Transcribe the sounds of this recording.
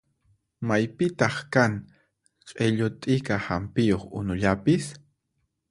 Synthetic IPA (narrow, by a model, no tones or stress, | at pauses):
majpɪt̪ɑχkaŋ | qʼeʎʊt̪ʼɪkahampɪjoχʊ̰nʊʎapɪs